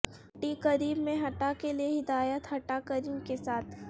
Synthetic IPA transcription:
ʈikɐɾiːbmẽɦɐʈakelieɦɪd̪aːjət̪ɦɐʈakɐɾĩkesaːt̪̚ʰ

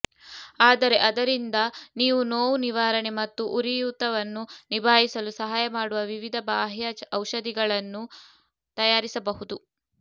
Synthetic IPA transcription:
aːd̪ɐɾe̞ʔɐd̪ɐɾind̪ɐniːʋunoːwniʋaːɾɐɳemɐt̪ːuʔuɾijut̪ɐʋɐnːunibʱaːjisɐlusɐɦaːjɐmaːɽuʋɐʋiʋid̪ʱɐbaːɦjɐɐwʃɐd̪iɡɐɭɐnːu | t̪ɐjaːɾisɐbɐɦud̪u

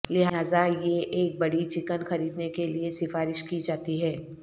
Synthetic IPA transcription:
lɪɦɦaːzajeʔeːk̚bɐɽit͡ʃɪkənxɐɾiːd̪nekeliesɪfaːɾɪʃkid͡ʒaːt̪iɦɛː

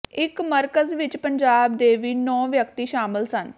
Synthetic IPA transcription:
ɪkməɾkəzʋɪt͡ʃpəɲd͡ʒaːb̚d̪eːʋiːnɔ̃ːʋjəkt̪iːʃaːmɪlsən

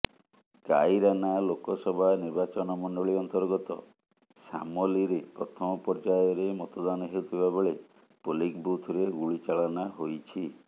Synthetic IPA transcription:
ɡa̰jɾanalokɔsɔbʱaniɾbat͡ʃɔnɔmɔɳɖɔɭiɔnt̪ɔɾɡɔt̪ɔ̰ | sa̰mɔliɾepɾɔt̪ʰɔmɔpɔɾd͡ʒajɔɾemɔt̪ɔd̪anɔɦeut̪ʰibabeɭe | polikbut̪ʰɾeɡuɭit͡ʃaɭɔnaɦojt͡ʃʰi

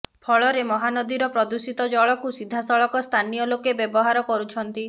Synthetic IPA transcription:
pʰɔɭɔɾemɔɦanɔd̪iɾɔpɾɔd̪usit̪ɔd͡ʒɔɭɔkusid̪ʱːasɔɭɔkɔst̪ʰanijɔlokebjɔbɔɦaɾɔkɔɾut͡ʃʰɔnt̪i

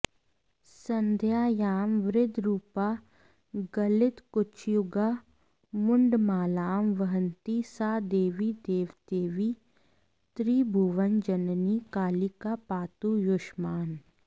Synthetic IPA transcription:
sɐ̃nd̪ʱjaːjaːmʋɾɪd̪ʱɾuːpa | ɡɐlɪt̪kʊt͡ʃʰjʊɡa | mʊɳɖmaːlaːmʋəɦə̃nt̪isaːd̪eːʋid̪eːʋd̪eːʋi | t̪ɾiːbʱuʋənd͡ʒɐnnikaːlikapaːt̪ujoʃmaːn

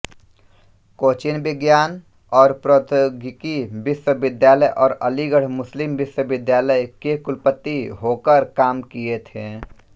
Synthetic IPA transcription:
koːt͡ʃɪnbɪɡjaːn | ɔːɾpɾot̪ʰoɡɪkibɪʃwəbɪd̪jaːləjʔɔːɾəliɡəɽ̤mʊslɪmʋɪʃwəbɪd̪jaːləjkekʊlpət̪ːiɦoːkəɾkaːmkiet̪ʰẽː

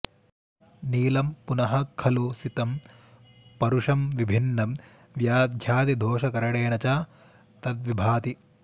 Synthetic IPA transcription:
niːlɐmpunɐɦɐkʰɐlusit̪ɐm | pɐɾuʂɐmʋibʱinːɐm | ʋjaːd̪ʱjaːt̪id̪ʱoːʃɐkɐɾɐɽeːɳɐt͡ʃaː | t̪ɐt̪̚ʋibʱaːt̪i

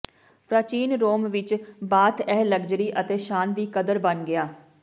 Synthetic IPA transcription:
pɾaːt͡ʃiːnɾoːmʋɪt͡ʃbaːt̪ʰɛːɦləɡd͡ʒɾiːʔət̪eːʃaːnd̪iːkəd̪əɾbənɡɪaː

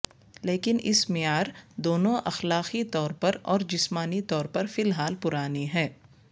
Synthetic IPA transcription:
leːkɪnɪsmɪjaːɾd̪oːnõʔɐ̰xlaːqit̪ɔːɾpɐɾɔːɾd͡ʒɪsmaːnit̪ɔːɾpɐɾfɪlɦaːlpʊɾaːniɦɛː

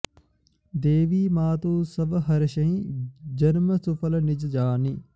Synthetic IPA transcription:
d̪eːʋiːmaːt̪uːsɐbɦɐɾɐʃɐɦĩd͡ʒɐnməsufɐlɐnɪd͡ʒd͡ʒaːni

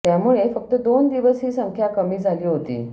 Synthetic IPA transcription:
t̪jamuɭefək̚t̪əd̪ond̪iʋəsɦiːsəŋkʰjakəmiːd͡zʱaliːɦot̪ḭː

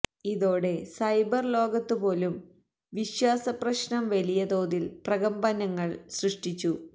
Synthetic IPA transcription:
iðo̞ːɽe̞sɐjbɐrlo̞ːɡɐt̪ːupo̞ːlum | ʋiɕwaːsɐprɐɕnɐmʋɐlijɐd̪o̞ːðilprɐɣɐmbɐnɐŋːɐɭsrɨʂʈit͡ɕːu

